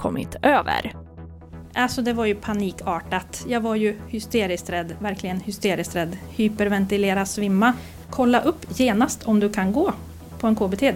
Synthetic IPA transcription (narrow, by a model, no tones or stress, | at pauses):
kʰɔ̰mːɪ̰t̪ʔøːvə̰ɾ | ʔalsɔd̪ɛvaɾjɵpʰaniːkɑːʈat̪jɑːɡvaɾjɵhʏst̪eːɾɪst̪ɾɛd̪væɾklɪɡənhʏst̪eːɾɪst̪ɾɛd̪hyːpəɾvɛnt̪ɪleːɾasvɪmːa | kʰɔlːaʔɵpːjeːnast̪ʰɔmd̪ɵkʰanɡoː | pʰɔɛnkʰoːbeːt̪ʰeː